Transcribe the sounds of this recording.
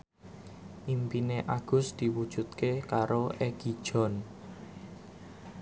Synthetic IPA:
impineʔaɡ̥ʊ̤sd̪̥i̤wud̥ʒ̥ṳt̪̚kekaɾoʔeɡ̥i̤d̥ʒ̥ɔ̤n

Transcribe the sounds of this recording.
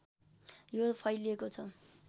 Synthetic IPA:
jopʰʌjliekot͡sʰʌ

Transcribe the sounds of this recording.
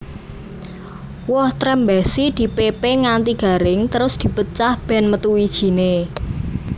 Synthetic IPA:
wɔht̪ɾɛmbɛsid̪̥i̤pepeŋant̪iɡ̥ä̤ɾɪŋt̪əɾʊsd̪̥i̤pət͡ʃahb̥ɛ̤nmət̪uwid̥ʒ̥i̤ne

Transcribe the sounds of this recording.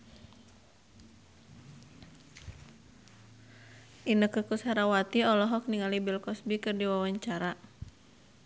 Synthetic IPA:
ʔinəkəkusaɾawat̪iɔlɔɦɔk̚niŋalibilkɔsbikɨrdiwawaɲt͡ʃaɾa

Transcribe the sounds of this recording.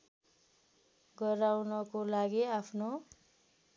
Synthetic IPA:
ɡʌɾawnʌkolaɡiapʰno

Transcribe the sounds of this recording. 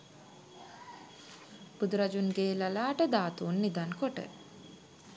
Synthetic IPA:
b̥ud̪uɾad͡ʒunɡeːlalaːʈəd̪aːt̪uːnːid̪ankoʈə̰

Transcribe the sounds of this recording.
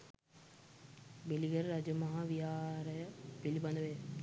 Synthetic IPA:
biliɡəɾɾad͡ʒəmɐɦaʋijaːɾəjəbiliband̪əʋe

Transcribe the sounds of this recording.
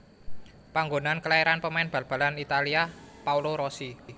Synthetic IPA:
paŋɡonankəlaeɾanpəmaɪnb̥a̤lb̥a̤lanit̪aliapauloɾosi

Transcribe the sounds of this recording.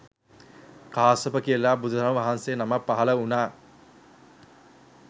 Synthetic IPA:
kʰaːsopəkiəlaːbud̪ʱud̪ʱɾamʋaɦanseːnamapːaɦɐləunaː

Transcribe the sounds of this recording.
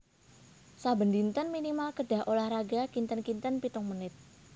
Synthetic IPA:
sabənd̪int̪ənminimalkəɖ̥a̤ɦʔolahɾaɡakint̪ənkint̪ənpit̪ʊŋmunɪt̪̚

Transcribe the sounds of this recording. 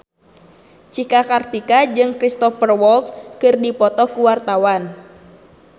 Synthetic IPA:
t͡ʃikakart̪ikad͡ʒɨŋkɾist̪ɔfərwɔlt̪skɨrdipɔt̪ɔkuwart̪awan

